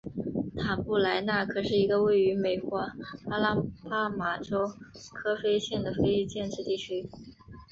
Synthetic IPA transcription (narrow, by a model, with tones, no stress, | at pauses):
t̪ʰa˨˩pu˥˩la˧˥ɪna˥˩kʰɤ˨˩ʂɻ̩˥˩i˧˥ɡə˧we˥˩ɪy˧˥me˨˩ɪkwɔ˧˥a˥la˥pa˥ma˨˩ʈ͡ʂo˥ʊkʰɤ˥fe˥ɪɕjɛ˥˩nd̪ə˩fe˥ɪi˥˧t͡ɕjɛ˥˧nʈ͡ʂɻ̩˥˧t̪i˥˩t͡ɕʰy˥